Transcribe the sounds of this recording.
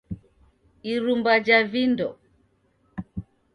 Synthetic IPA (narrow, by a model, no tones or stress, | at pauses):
iɾumbad͡ʒavindɔ